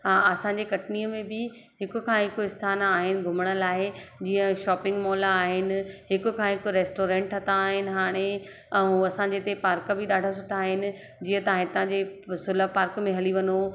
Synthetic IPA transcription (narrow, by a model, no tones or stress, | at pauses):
aɐsãːɲd͡ʑekɐʈniːəmẽbɪ | ɦɪkʊ̆kʰãːɦɪkoɪst̪ʰaːnaːɦɪnɪ̆ɡʱʊməɽ̃əlaːɦɪd͡ʑiːə̃ʃɔːpɪ̃ŋɡmɔːlaːɦɪnɪ̆ɦɪkʊ̆kʰãːɦɪkʊɾeːsʈoːɾẽːɳʈʰɐt̪aːɦɪnɪ̆ɦaːɽ̃e | ɛ̃uɐsãːɲd͡ʑet̪epaːɾkə̆bɪɗaːɖʱas̬ʊʈʰaːɦɪnɪ̆ | d͡ʑiːə̃t̪ɐãɦɪ̃t̪ɐãɲd͡ʑesʊləpaːɾkmẽɦɐliʋɐno